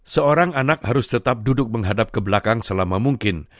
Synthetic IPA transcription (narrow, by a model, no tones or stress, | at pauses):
səoɾaŋanak̚haɾʊst̪ət̪ap̚dudʊk̚məŋɦadap̚kəbəlakaŋsəlamamuŋkɪn